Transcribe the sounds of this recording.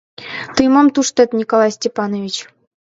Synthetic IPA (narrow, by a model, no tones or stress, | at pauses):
t̪ɯjmɑmt̪uʂt̪ɘ̆t̪ʲnʲikolˠɑjsʲtʲepɑnovʲit͡ɕ